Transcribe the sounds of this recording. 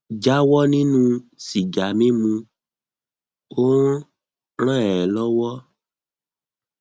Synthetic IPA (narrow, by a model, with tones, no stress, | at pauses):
d͡ʒa˨˦wɔ˦nĩ˦nũ˦si˨d͡ʒa˨mĩ˦mũ˧ | õ˦ | ɾ̃ã˦ɛ˨ɛ˨lɔ˦wɔ˦